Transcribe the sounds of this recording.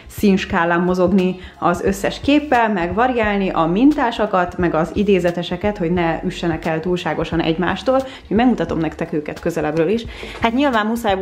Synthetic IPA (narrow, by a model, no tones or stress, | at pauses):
sinʃkaːlːamːo̞zo̞ɡni | ɒzø̞sːɛʃkeːpːɛlmɛɡvɒɾijaːlniʔɒmint̪aːʃɒkɒt̪mɛɡɒzid̪eːzɛt̪ɛʃɛkɛt̪ho̞ɟnɛyʃːɛnɛkɛlt̪uːlʃaːɡo̞ʃɒnɛ̰ɟma̰ːʃt̪oːl | homɛɡmut̪ɒt̪o̞mnɛkt̪ɛkøːkɛt̪køzɛlɛbrøːliʃhat̪ɲilvaːmmusaːj